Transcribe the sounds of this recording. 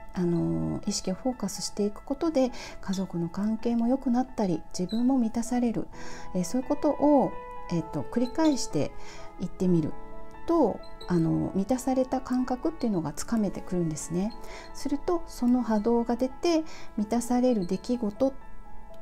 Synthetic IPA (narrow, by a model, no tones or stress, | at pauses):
ano̞iɕi̥kʲio̞ɸo̞ːkasɨ̥ɕi̥t̪e̞ikɯ̟̥ko̞t̪o̞d̪e̞kazo̞kɯ̟no̞kãŋke̞ːmo̞jo̞kɯ̟nat̪ːaɾʲid͡ʑibɯ̟̃mːo̞mʲit̪asaɾe̞ɾɯ̟̰eso̞ːi̟ko̞t̪o̞ʔoe̞t̪ːo̞kɯ̟ɾʲikaiɕi̥t̪e̞̰it̪ːe̞mʲiɾɯ̟̰t̪o̞ano̞̰mʲit̪asaɾe̞t̪akãŋkakɯ̟t̪ːe̞iɯ̟no̞ɡat͡sɨ̥kame̞t̪e̞kɯ̟ɾɯ̟̃nd̪e̞sɨne̞ | sɨɾɯ̟t̪o̞so̞no̞ɦad̪o̞ːɡad̪e̞t̪e̞mʲit̪asaɾe̞ɾɯ̟d̪e̞kʲiɡo̞t̪o̞